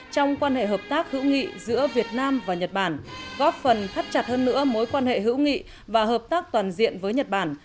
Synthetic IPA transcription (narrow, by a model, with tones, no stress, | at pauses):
t͡ɕɔ˧wŋ͡mkwaː˧nhḛ˧˨ɦəː˨˩p̚t̪aː˦˥k̚hɨ̰˧˥wŋḭ˧˨zɨ̰˧˥əvi˨˩ət̚naː˧mvaː˨˩ɲə˨˩t̚ɓaː˨˩nɣɔ˦˥p̚fə˨˩nfa˦˥t̚t͡ɕa˨˩t̚həː˧nːɨ̰˧˥əmo˨˦jkwaː˧nhḛ˧˨ɦɨ̰˧˥wŋḭ˧˨ | vaː˨˩ɦəː˨˩p̚t̪aː˦˥k̚t̪waː˨˩nzḭ˧˨ənvəː˨˦jɲə˨˩t̚ɓaː˨˩n